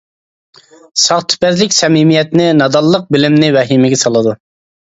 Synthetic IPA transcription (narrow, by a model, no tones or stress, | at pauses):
sɑχt̪ʰʊ̥pæzlɪkʲsɛmimijɛt̪nɪnɑd̪ɑlˠːəq̚bɪlɪmnɪvɛɦimɪɡʲɛsɑlˠɨd̪u